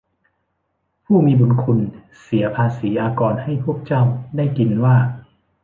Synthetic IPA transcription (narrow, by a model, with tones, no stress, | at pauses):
pʰuː˥˩miː˧bo˧nkʰu˧n | si˩˦ɐpʰaː˧siː˩˦jaː˧kɔː˨˧nha˥˩jpʰu˥˩ək̚t͡ɕa˥˩wdaː˥˩jki˧nwaː˥˩